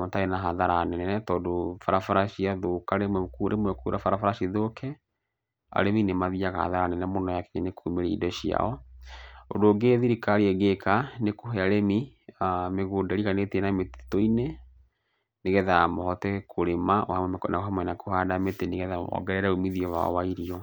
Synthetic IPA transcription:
mɔtaenaɦaðaɾanɛɛɛtɔdofaɾafaɾaʃiaðokaɾemwɛkuɾʔḛmwɛkuɾafaɾafaɾaʃiðokʰɛ | a̰ɾeminemaðiaɣa̰ha̰ðaɾanɛnɛmɔnɔjakɛɲanekumeɾɛḭdɔʃia̰ɔ | o̰doːɡeðiɾikaɾiɛɣekanekoɦɛaɾemi | meɣoːdaɾiɣanetenamete̥toine | neɣɛðamɔhɔtɛkʰoɾemawamwɛmknaoɦɛmwɛnakohadameteneɣɛðamɔ̰ɡɛɾɛɾaomiðiɔwa̰ɔ̰waiɾiɔ

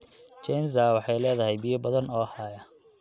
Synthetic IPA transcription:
t͡ʃɛnzawɑħɑjlɛːðɐɦɛjbɪːjɐbɐðɐnɔːhaːjɐ

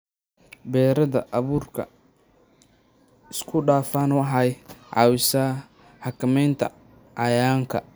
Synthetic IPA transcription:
bɛːɾɐðɐ̰ʔɐβuːrkʰɐ̰ | ɪskʰʊɖaːfaːnʊħɑjʕɑ̰ːwɪsɐ | ħɑkʰɐmɛjnt̪ʰɐ̰ | ʕɑjaːŋkʰɐ̰

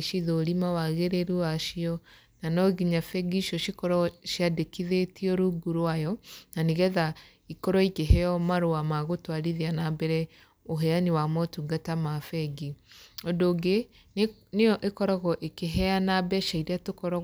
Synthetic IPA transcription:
ʃiðoːɾimawaɣeɾeɾuaʃiɔ | nanɔɣiɲafɛɡiʃjɔʃikɔɾɔʃjadekiðetiɔɾuɡuɾwajɔnaniɣɛða | ikɔɾɔikeɦɛɔmaɾoamaɣotwaɾiðeanabɛɾɛ | oɦɛaniwamɔtuɡatamafɛɡiɔdoɡe | nejɔʔekɔɾɔɣɔʔekeɦɛanabɛʃaiɾeatokɔɾɔ

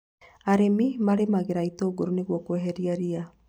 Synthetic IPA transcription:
aɾemimaɾemaɣeɾaitoːɣoɾoneɣwɔkoɛɦɛɾiaɾia

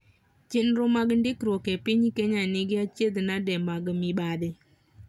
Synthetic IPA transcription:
t͡ʃenɾomaɡndɪkɾokepɪɲkeɲanɪɡɪat͡ʃed̪nadɛmaɡmɪɓad̪ɪ

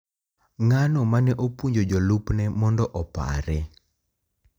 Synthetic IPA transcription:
ŋanɔmanɛʔopwuɲd͡ʒod͡ʒolupnɛmɔndɔʔɔpa̰ɾɛ

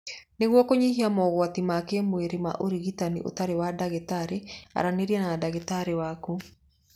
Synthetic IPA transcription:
neɣwɔkoɲihiamɔːɣwatimakemweɾema̰ʔoɾiɣitanḭʔo̰taɾewadaɣetaɾea̰ɾaneɾiɛnadaɣetaɾewaku

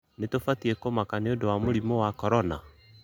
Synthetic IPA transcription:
netofatiɛkomakaneodowamoɾimowakɔɾɔna̰

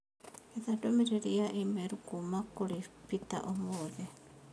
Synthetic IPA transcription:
eθadomeɾeɾiaʔimeɾukumakulipita̰ʔomoðe

